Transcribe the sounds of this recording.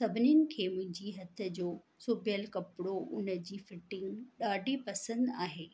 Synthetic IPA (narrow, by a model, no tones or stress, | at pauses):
sɐbʱɪniənɪ̆kʰeːmʊ̃ɦɪ̃ɲd͡ʑiɦɐt̪ʰə̆d͡ʑoː | soːbʱjəlkɐpɪɽoʊ̰nə̆d͡ʑiːfɪʈɪ̃ŋɡɗaːɖʱipɐsə̃nd̪aːɦeː